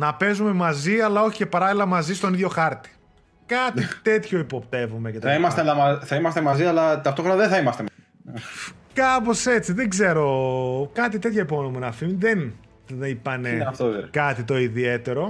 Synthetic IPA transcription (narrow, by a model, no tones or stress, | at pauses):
nɐpe̞zume̞mɐziɐlɐo̞çicepɐɾɐlilɐmɐzist̪o̞niðjo̞xɐɾt̪i̥ | kɐt̪it̪e̞t̪ço̞ipo̞pt̪e̞vume̞cet̪ɐɐimɐst̪eɐlɐmɐθɐimɐst̪emɐziɐlɐt̪ɐft̪o̞xɾonɐðeθɐimɐst̪emɐ | kɐpo̞se̞t͡siðeɡze̞ɾo̞kɐt̪̬it̪e̞t̪çɐipoonomenɐfimiðen | ipɐne̞ɐft̪oekɐt̪it̪o̞iðie̞t̪e̞ɾo̞